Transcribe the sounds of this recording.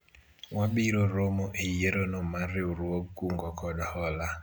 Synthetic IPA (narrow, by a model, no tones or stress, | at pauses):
waɓiɾoɾomoʔijeɾonɔmaɾɪuɾuokuŋɡɔkʰɔdɔhɔla